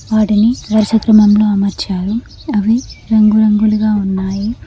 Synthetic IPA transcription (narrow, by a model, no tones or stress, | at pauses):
ʋaːʈinid̪ɐɾʃɐkɾɐmɐmlo̞ːɐmɐɾt͡ʃaːɾu | ɐʋiɾɐŋɡuɾɐŋɡuluɡaːunːaːji